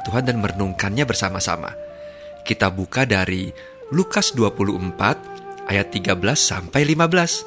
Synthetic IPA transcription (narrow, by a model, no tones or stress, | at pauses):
t̪uɦandanmərənuŋkanɲabərsamasa̰ma̰ | kit̪abukadaɾi | lukasduapuluʔəmpat̪̚ʔajat̪ːiɡabəlasːa̰mpajlimabəlas